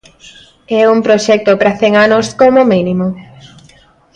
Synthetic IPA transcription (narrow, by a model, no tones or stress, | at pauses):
ɛumpɾoʃɛk̚t̪opɾaθɛŋanoskomominimo